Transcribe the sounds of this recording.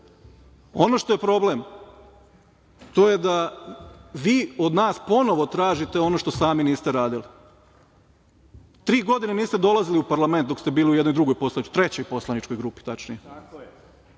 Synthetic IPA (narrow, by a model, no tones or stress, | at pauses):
o̞no̞ʃt̪o̞je̞pɾo̞blem | t̪o̞je̞d̪a | ʋiːo̞d̪naːspo̞no̞ʋo̞t̪ɾaːʒit̪e̞o̞no̞ʃt̪o̞saːminiːst̪eɾaːd̪ili | t̪ɾiːɡo̞d̪ineniːst̪ed̪o̞lˠaziliupaɾlame̞nt̪̚d̪o̞kst̪e̞biːliujed̪nod̪ɾuɡo̞jpo̞slanit͡ʃ̪t̪ɾet͡ɕo̞jpo̞slˠanit͡ʃko̞jɡɾuːpi̥t̪at͡ʃnḭje